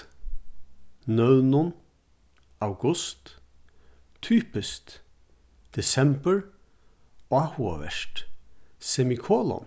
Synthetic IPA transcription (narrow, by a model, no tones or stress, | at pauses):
nœwnʊn | awɡʊst̪ | t̪ʰyːpɪst̪ | d̪̥ɛsɛmbəɹ | ahua̰ʋɛ̰ʃʈ | sɛmikʰoːlɔ̰n